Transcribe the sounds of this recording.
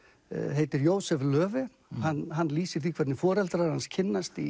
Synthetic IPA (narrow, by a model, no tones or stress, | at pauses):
ɦejt̪ɪɾjoːwsɛvlœːvɪ | hanhanːliːsɪɾ̥θikʰvɛɾt̪nɪfɔːɾɛlt̪ɾaɾanscʰɪnːast̪i